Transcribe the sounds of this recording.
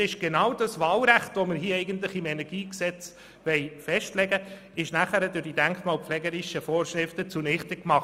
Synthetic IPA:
ɪʃɡ̥enɑwdɑsʋɑːlɾæχtʋomɪɾhiːɛɪɡənt̪̬lɪχɪmɛnɛɾɡ̥iːksɛt͡s | ʋɛɪfɛʃtlɛɡə | ɪʃnæχæɾədʊɾd̥idæŋkχmɑːlpflɛːɡəɾɪʃəfɔːɾʃɾɪftət͡sunɪχtəkmɑχ

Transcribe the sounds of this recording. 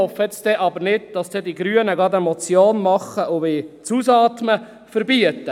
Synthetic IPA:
ɔfːəɛt͡sd̥̪ɛʔɑbəɾnɪd̚d̥ɑsd̥̪ɛdiɡɾyənəɡɑdəmɔt͡sjoːnmɑχəʔʊvɪːt͡suːsɑːt̪mə | fəɾbiət̪ːə

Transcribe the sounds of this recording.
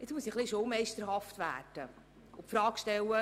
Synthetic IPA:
ɪt͡smusiχliʃowmɛjʃtəɾɦɑftʋæ̰ːd̥ə | ʊpfɾɑːkʃtɛwə

